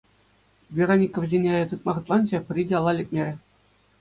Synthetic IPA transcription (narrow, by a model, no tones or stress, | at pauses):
vʲeronʲikoʋzʲenʲeɑjɑt̪ɯt̪̚mɑʁɤ̆t̪lˠɑnʑɘpʲrʲidʲɑlˠːɑlʲet̚ʲmʲeɾʲɘ̆